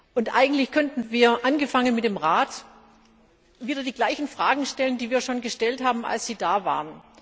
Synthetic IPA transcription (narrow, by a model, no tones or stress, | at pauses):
ʔʊntʔa̰ɪɡŋ̩tlɪçkʰœntn̩viːɐʔanɡəfaŋənmɪt̚d̥eːmʁaːt | viːdɐdiːɡlaɪçn̩fʁ̥aːɡŋ̩ʃtɛləndiːviːɐʃoːnɡəʃtɛlthaːbm̩ʔa̰lsz̥iːdaːvaːʁən